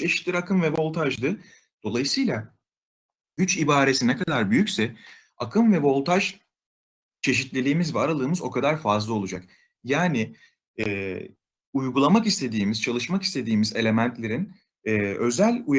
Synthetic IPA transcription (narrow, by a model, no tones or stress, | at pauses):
t͡ʃʰe̞ʃi̥t̪lʲiɾakʰɯmvɛvo̞lˠt̪ʰaʒd̪ɯ | d̪̥o̞lˠajɯsɯjlˠa | ɟyt͡ʃibaːɾe̞sinɛkad̪aɾbyjycsɛ | akʰɯmvɛvo̞lˠt̪ʰaʒ | t͡ʃʰe̞ʃit̪lʲelʲiːmizvɛaɾalˠɯːmɯzo̞kʰad̪aɾfazlˠao̞lˠud͡ʒak | jaːnɪ | ɛː | ujɡulˠamakist̪ʰe̞d̪iːmizt͡ʃʰalˠɯʃmaki̥st̪ʰe̞d̪iːmize̞lʲe̞mænt̪lʲe̞ɾin | ɛːø̞zælʲuj